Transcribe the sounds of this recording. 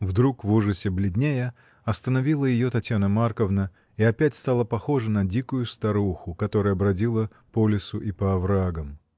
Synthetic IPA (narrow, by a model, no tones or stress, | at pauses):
vd̪ɾukvuʐɨsʲɪblʲɪdʲnʲejə | ɐst̪ənɐvʲilˠəjɪjo̞t̪ɐtʲjanəmarkəvnə | iɐpʲætʲst̪alˠəpɐxo̞ʐənɐdʲikʊjʊst̪ɐɾuxʊkɐt̪o̞ɾəjɐbɾɐdʲilˠə | polʲɪsʊʔipəɐvɾaɡəm